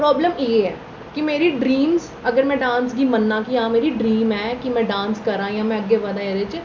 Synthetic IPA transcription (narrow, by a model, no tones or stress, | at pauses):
pɾɔːbləmjeɦɛː | kimeːɾiɖɾiːmz | əɡəɾmɛ̃ːɖãːnsɡimənːãːkiãːmeːɾiɖɾiːmɛːkimɛ̃ɖãːnskɐɾãːijãːmɛ̃əɡeʋad̪aːjəd̪et͡ʃ